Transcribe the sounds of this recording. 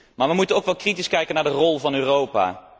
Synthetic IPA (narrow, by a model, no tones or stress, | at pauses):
maːɹʋəmutənowkʋɛlˠkritiskɛjkənaːɹdərɔlˠvɑnøːrowpa̰ː